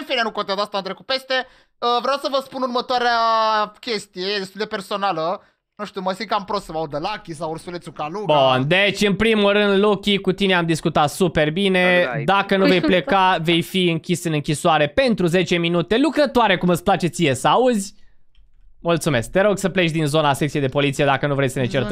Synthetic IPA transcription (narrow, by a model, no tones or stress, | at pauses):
ɨnfinenukont̪ed̪ast̪aɨnt̪ɾekut̪̚pe̞st̪e | əvɾeawsəvəspunurmət̪oaɾeakʲe̞st̪ijed̪e̞st̪uld̪e̞pe̞rsonalə | nuʃt̪iuməsiŋkampɾossəvaud̪əlakʲisawursulet̪sʲukaluɡbund̪et͡ʃʲɨnpɾimulrɨnd̪lo̞kʲikut̪ine̞amd̪iskut̪at̪supe̞rbine̞d̪akənuve̞jplekave̞jfiɨŋkʲisɨnɨŋkʲisoaɾe̞pe̞nt̪ɾuze̞t͡ʃe̞minut̪e̞lukɾət̪oaɾe̞kumɨt̪splat͡ʃe̞t̪sijesəauzʲ | mult̪sume̞sk̚t̪e̞ɾo̞ɡsəple̞t͡ʃd̪inzo̞nasek̚t̪iejd̪e̞po̞lit̪sije̞d̪akənuvɾejsəne̞t͡ʃert̪